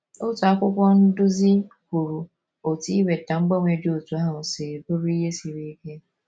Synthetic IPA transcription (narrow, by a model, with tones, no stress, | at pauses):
o˦tu˨a˦kʷʊ˦kʷɔ˦n̩˦dʊ˦zi˦ku˨ɾu˨ | o˨ti˦i˦be˨ta˨ŋ͡m̩˦ɡ͡ba˦ŋʷe˨dɪ˦o˨tu˨˦ɦa˦ʊ˨se˨ɾi˨bo˦ɾi˦ɦe˦si˨ɾi˦i˦ke˦